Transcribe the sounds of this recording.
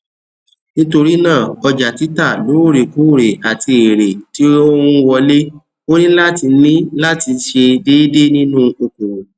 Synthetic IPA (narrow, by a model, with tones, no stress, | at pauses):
nĩ˦to˧ɾi˦nãː˦˨ɔ˧d͡ʒa˨ti˨˦ta˦˨lo˨˦˨ɾe˨ku˨˦˨ɾe˨a˨ti˧e˨ɾe˨ti˨˦o˦ũ˧wɔ˧le˦ | o˦nĩ˦la˦ti˧˦nĩ˦la˦ti˧ʃe˧deː˦de˦nĩ˦nũ˦o˧ko˨ɾo˨